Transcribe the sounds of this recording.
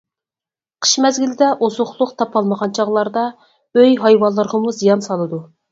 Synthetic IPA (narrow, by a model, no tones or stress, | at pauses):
qʰə̥ʃmɛzɡʲilɪd̪ɛʔozʊχlˠʊqt̪ʰɑpʰɑlˠməʁɑnt͡ʃʰɑʁlˠɑɾd̪ɑ | øjɦɑjwɑnlˠːəɾʁɑmuzijɑnsɑlˠɨd̪u